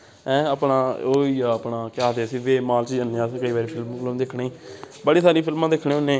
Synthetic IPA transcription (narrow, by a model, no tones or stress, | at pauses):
ɛ̃ːəpnaːoːiaːəpɳaːkɪaːd̪eːsiːʋeːmaːlt͡ʃid͡ʒənːjãːskəiːʋaːɾiːpʰɪlmklmd̪ɪkʰɳeːiː | bəɽiːsaːɾiːpʰɪlmãːd̪ekʰːɽẽːʊnːẽː